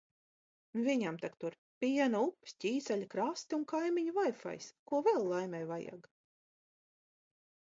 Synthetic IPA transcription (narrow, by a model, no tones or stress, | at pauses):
nvʲiɲamt̪akt̪uɾ | pʲiɛnupːsʲtʲiːt̪saʎʲikɾast̪unkajmʲiɲuvajfa̰jskuɔvɛlˠːajmʲɛjvaja̰ɡ